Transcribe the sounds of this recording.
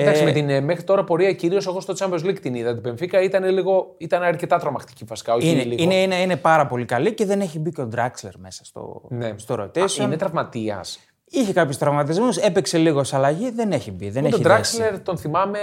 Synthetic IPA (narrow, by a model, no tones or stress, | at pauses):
ɐsiimet̪inmexɾit̪o̞ɾɐpo̞ɾiɐciɾio̞soɣost̪ot͡sɐmbozlikt̪iniðɐt̪̬ipeɱfikɐit̪ɐneliɣo̞it̪ɐnɐɾce̞t̪ɐt̪ɾomɐxt̪i̥civɐsi̥kaoineliineineinepɐɾɐpo̞likɐlice̞ðe̞ne̞çibiceod̪ɾɐksle̞̰ɾme̞sɐ̥st̪o̞̰nest̪oɾo̞t̪esonet̪ɾɐvmɐt̪iɐ̰s | içekɐpçust̪ɾɐvmɐt̪̬izmuse̞pekse̞liɣo̞sɐlɐʝiðe̞neçibiðenet̪od̪ɾɐksleɾt̪o̞nθimɐme